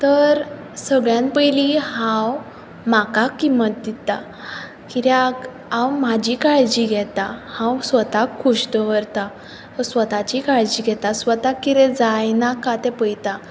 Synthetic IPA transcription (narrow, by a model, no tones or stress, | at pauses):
t̪əɾ | səɡɭjãnpəjlihãw | makakːimət̪̚d̪it̪a | kiɾjak | ãwmad͡ʑikaɭd͡ʑiɡʱɛt̪ahãwsʋət̪akʰːuɕd̪əʋəɾt̪a | t̪əsʋət̪at͡ɕikaɭd͡ʑiɡʱɛt̪asʋət̪akːiɾɛd͡zajnakat̪ɛpəjt̪a